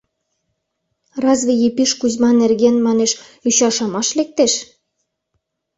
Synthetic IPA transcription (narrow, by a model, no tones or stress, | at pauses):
rɑzβejepiʃkuzmɑnerɣenmɑneʃyɕɑʃɑmɑʃlek̚t̪eʃ